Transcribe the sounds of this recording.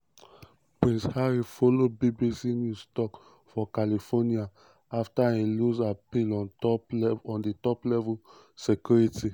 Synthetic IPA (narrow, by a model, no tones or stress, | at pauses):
pɹĩnshaɹifolobibisinjustɔk | fɔkalifɔnia | aftaĩlusapilɔ̃nɔɔ̃nditɔplɛvul | sekjuɹiti